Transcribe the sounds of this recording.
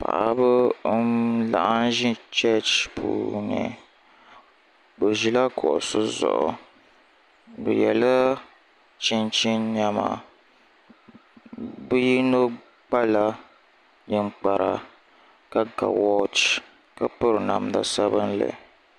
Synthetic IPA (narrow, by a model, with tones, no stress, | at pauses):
pa̰˨ʔa˦bɨ˦ | la̰˨ʔa˦n˦ʒi˦t͡ʃɛ˦t͡ʃpʰṵː˨ɲɛ˨ | bɨ˨ʒi˨la˦kʰɔ˨ʔsɨ˦zɔ̰˨ʔɔ˨ | bɨ˨jɛ˨lɨ˦ | t͡ʃi˦nt͡ʃi˦nɲa˦ma˨ | bɨ˦ji˦no˦ | k͡pa˦la˦ | ɲɨ˦ŋ͡mk͡pa˨ɾʔa˨ | ka˦ka̰˨wɔ˦t͡ʃ | ka˦pɨ˦ɾɨ˨na˨m˨da˨sa˦βɨ˦nlɨ̰˨